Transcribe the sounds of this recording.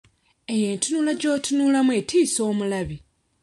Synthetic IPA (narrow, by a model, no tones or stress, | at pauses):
e̞je̞ːntunulaɟo̞ːtʰunuːlamwe̞tʰiːso̞ːmulaβi